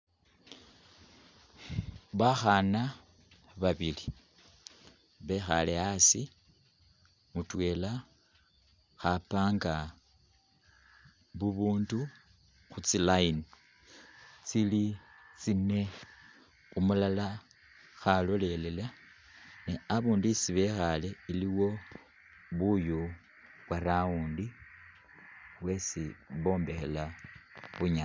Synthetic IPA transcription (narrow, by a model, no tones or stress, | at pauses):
βaxana | βaβili | βe̞xa̰leasi | mutwe̞ːla | xapaːŋɡa | βuβuːndu | xut͡silain | t͡silit͡sine̞ | umulala | xalole̞le̞la | neaβuːndisiβexale̞iliwo̞ | βuju | βwaɾauːndi | βwe̞siβo̞ːmbe̞xe̞laβuɲa